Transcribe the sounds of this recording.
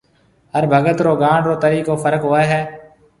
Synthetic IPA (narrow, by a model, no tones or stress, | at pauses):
ɦəɾbʱəɡət̪ɾoːɡaːɳɾoːt̪əɾiːkoːfʰəɾəkɦoːeːɦɛː